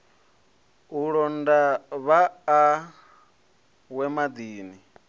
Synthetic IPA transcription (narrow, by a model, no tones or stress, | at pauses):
uɺɔndaβaː | wɛmad̪iːni